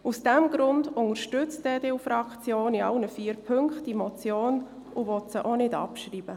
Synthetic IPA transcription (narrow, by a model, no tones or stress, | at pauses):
usd̥ɛmɡɾʊndʊŋəɾʃtʏt͡stdeːdeufɾɑkt͡sjoːniɑlnəfiːɾpʰʏŋkχtimɔt͡sjoːn | ʊvɔtsəʔonɪdɑ̰pʃɾiːb̥ə